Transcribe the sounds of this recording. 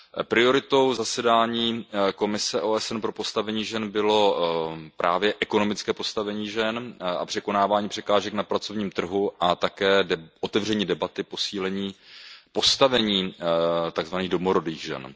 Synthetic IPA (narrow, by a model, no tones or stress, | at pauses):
pɾɪo̞ɾɪt̪owzasɛdaːɲiːko̞mɪsɛʔoːɛsɛnpɾo̞po̞st̪avɛɲiːʒɛnbɪlo̞pɾʔa̰ːvjɛʔɛko̞no̞mɪt͡skɛːpo̞st̪avɛɲiːʒɛnʔa̰pr̥ɛko̞naːvaːɲiːpr̥ɛkaːʒɛknapɾat͡so̞vɲiːmt̪r̩ɦuʔat̪akɛːʔot̪ɛvr̝ɛɲiːdɛbat̪ɪpo̞siːlɛɲiːpo̞st̪avɛɲiːt̪aɡzvaniːɣdo̞moɾo̞diːɣʒɛ̰n